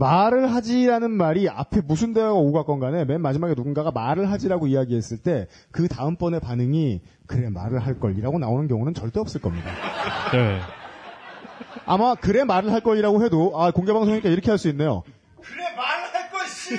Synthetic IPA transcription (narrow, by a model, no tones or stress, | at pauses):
maɾɯɭɦad͡ʑiɾanɯnmaɾia̰pʰe̞musʰunde̞aɡaoɡak͈ʌnɡane̞me̞nmad͡ʑimaɡe̞nunɡaɡamaɾɯɭɦad͡ʑiɾaɡoijaɡiɦe̞s͈ɯɭt͈e̞ | kɯtaɯmp͈ʌne̞panɯŋi | kɯɾe̞ma̰ɾɯɭɦaɭk͈ʌʎːiɾaɡonaonɯnkjʌŋunɯnt͡ɕʌɭt͈eʌps͈ɯɭk͈ʌmɲida̰ne̞ | amakɯɾe̞maɾɯɭɦaɭk͈ʌʎːiɾaɡoɦe̞doakoŋɡe̞baŋsʰoŋɲik͈aiɾʌkʰe̞ɦaɭs͈uinːe̞jo̰ | k | k